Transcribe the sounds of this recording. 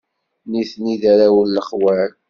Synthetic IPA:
niθniðaɾawəlːəχwæɾ

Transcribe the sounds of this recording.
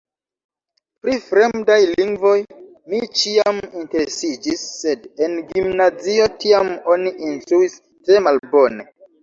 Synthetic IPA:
pɾifɾe̞mdajliŋɡvo̞j | mit͡ʃiaminte̞ɾesid͡ʒisːe̞denɡimnazio̞tiamo̞niʔinstɾuis | tɾe̞malbo̞ne

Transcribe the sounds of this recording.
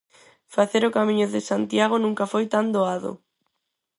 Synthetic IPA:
faθeɾokamiɲoðɪsant̪jaɣ̞onũŋkafojt̪and̪oaðo̰

